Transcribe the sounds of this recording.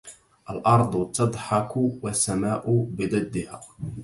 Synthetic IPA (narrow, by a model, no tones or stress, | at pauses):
ʔalʔɑɾˤd̪ˤt̪ɑd̪ˤħɑkʊwasːamaːʔʊbɪd̪ad̪ːɪhaː